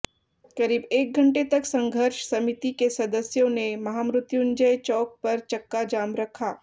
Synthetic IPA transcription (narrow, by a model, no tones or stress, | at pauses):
kɐɾiːbeːk̚ɡʱɐ̃ɳʈet̪ɐksɐ̃ŋɡʱəɾʃsɐmɪt̪ikesɐd̪əsjõnemɐɦaːmɾʊt̪jʊnd͡ʒəjt͡ʃɔːk̚pɐɾt͡ʃɐkːad͡ʒaːmɾɐkʰaː